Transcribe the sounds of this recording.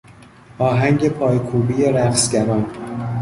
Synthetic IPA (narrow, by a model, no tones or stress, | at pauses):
ʔɒːɦæŋɟe̞pʰɒːjkʰuːbiːjeɾæqsɟæɾɒːn